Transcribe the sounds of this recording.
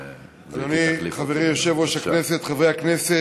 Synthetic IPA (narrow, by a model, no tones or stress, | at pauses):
azaniχaveʁimjoʃevoʃaknese̞t̪χavʁejhaknese